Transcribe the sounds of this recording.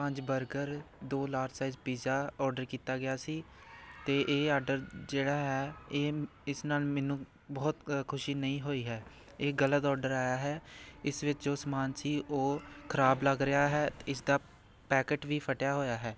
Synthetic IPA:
pə̃ɲd͡ʒbəɾɡəɾd̪oːlaːɾsaːɪzbiːzaːɔːɾɖəɾkiːt̪aːɡɪjaːsiː | t̪eːʔeːɔːɖəɾd͡ʒeːɽaːɦɛːeː | ɪsnaːlmɛːnũː | bɔːt̪kʰʊʃiːnəĩːɦoːiːɦɛː | eːɡələt̪ɔːɖəɾaːjaːɦɛːɪsʋɪt͡ʃd͡ʒoːsəmaːnsiːʔoːkʰəɾaːbləɡɾɪaːɦɛːɪsd̪aː | pɛːkəʈʋiːpʰəʈjaːɦoːjaːɦɛː

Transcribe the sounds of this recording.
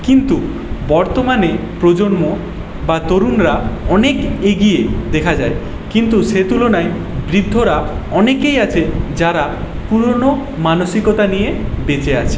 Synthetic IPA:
kint̪u | bɔɾt̪omanepɾod͡ʑonmo | bat̪oɾunɾaɔnekeɡied̪ekʰad͡ʑae | kint̪uʃet̪ulonae | bɾid̪ʱːoɾaɔnekejat͡ɕʰed͡ʑaɾa | puɾono | manoʃikot̪anijebet͡ɕeat͡ɕʰe̥

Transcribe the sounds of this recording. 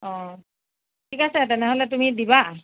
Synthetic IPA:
ɔ̃ | tʰikasɛtɛnɛɦolɛtumidiba

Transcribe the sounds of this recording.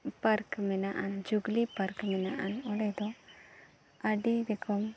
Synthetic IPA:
paɾkmɛnaʔand͡ʒuɡlipaɾkmɛnaʔanɔɽɛd̪ɔ | aɖid̪ɛkʰɔm

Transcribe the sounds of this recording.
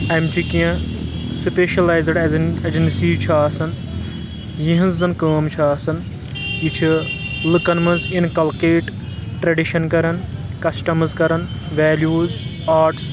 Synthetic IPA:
ɐmt͡ʃʰikijɐ̃speːʃɐlaːjzɖɐzed͡ʒɐnsiːt͡ʃʰaːsɐn | jĩɦɐnzzɐnkɐːmt͡ʃʰaːsɐn | jit͡ʃʰilɨkɐnmɐzinkɐlkeːʈ | ʈɾɐɖiʃɐnkɐɾɐnkɐsʈɐmzkɐɾɐnʋɛːljuːz | aːɾʈs

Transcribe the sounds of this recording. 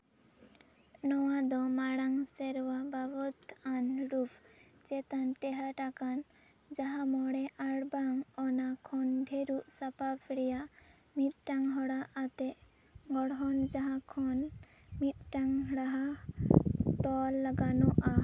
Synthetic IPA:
nɔwad̪ɔmaɽaŋsɛɾwababɔt̪anɾupʰt͡ʃɛt̪anʈɛɦaʈakan | d͡ʒaɦãmɔɽɛʔaɽbaŋɔnakʰɔnɖʱeɾuʔsapapʰɽijaʔ | mit̪̚ʈaŋɦɔɽaat̪ɛʔ | ɡɔɽɦɔnd͡ʒaɦãkʰɔn | mit̪̚ʈaŋɦɽaɦa | t̪ɔlːaɡanɔʔa

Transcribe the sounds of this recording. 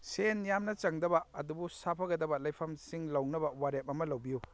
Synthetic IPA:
senjamnɐt͡ʃɐŋdɐbɐɐdubusapʰɐɡɐdɐbɐlɐjpʰɐmsiŋlɐwnɐbɐwaɾep̚ɐmɐlɐwbiju

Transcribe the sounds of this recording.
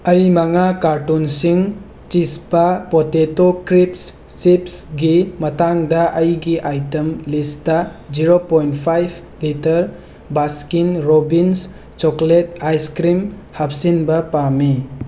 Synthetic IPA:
ɐjmaŋakaɾtunsiŋ | t͡ʃispɐpotetokɾips | sipsɡimɐtaŋdɐʔɐjɡiʔajtɐmlistɐd͡ʒiɾopojntpʰajbʰ | litɐɾ | baskinɾobins | t͡ʃokletajskɾim | hap̚sinbɐpami

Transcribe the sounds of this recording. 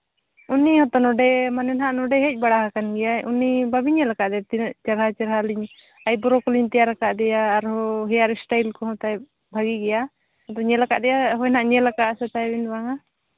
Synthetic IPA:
unːihɔt̪ɔnɔɖɛmanɛnɦaʔnɔɖɛɦɛc̚ˀbaɽaɦakanɡɛjaṵnːibabiɲɛlakaʔd̪ɛjat̪iʔt͡ʃɛɾɦat͡ʃɛɾɦaliɲ | ajbɔɾɔkɔliɲt̪ɛjaɾakaʔd̪ɛjaːɾɦɔɦɛjaɾɛsʈajlkɔɦɔ̃t̪aj | bʱaɡiɡɛja | ɔt̪ɔɲɛlaka̰ʔd̪ɛjaɦɔjnaʔɲɛlakaʔsɛt̪abinbaŋa

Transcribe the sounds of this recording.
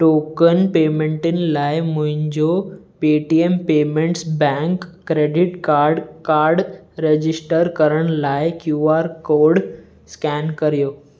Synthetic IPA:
ʈoːkənpeːmẽːɳʈɪnɪ̆laːɪmʊ̃ɦɪ̃ɲd͡ʑopeʈiempeːmẽɳʈsbɛ̃ŋkːɾeːɖɪʈkaːɾɖkaːɾɖɾed͡ʑɪsʈəɾkɐɾəɽ̃laːɪkjuːaːɾkoːɾɖ | skɛːnkɐɾijoː

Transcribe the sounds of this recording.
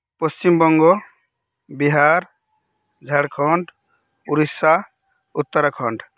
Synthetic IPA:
pɔst͡ʃimbɔŋɡo | biɦaɾ | d͡ʒʱəɽkʰɔɳɖ | uɾisa | ut̪ːəɾakʰɔɳɖ

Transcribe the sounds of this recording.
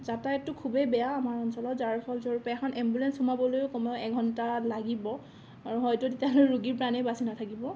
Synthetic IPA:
zataɛtʊkʰubɛbɛjaːmaɹɔnsɔlɔtzaɹpʰɔlzɔɹupɛakʰɔnɛmbulɛnshumabɔlojkɔmɛɛɡʱɔntalaɡibɔ | aɹuɦɔjtʊtetialojɹuɡiɹpɹanɛbasinatʰakibɔ

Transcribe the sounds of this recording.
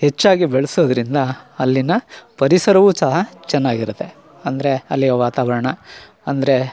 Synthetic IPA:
het͡ʃːaːɡibeɭɐsoːd̪ɐɾind̪ɐːlːinɐpɐɾisɐɾɐʋuːsɐɦɐt͡ʃɛnːaːɡiɾut̪ːe̞ | ɐnd̪ɐɾe̞ɐlːiɡɐʋaːt̪aːʋɐɾɐɳɐ | ɐnd̪ɐɾe̞

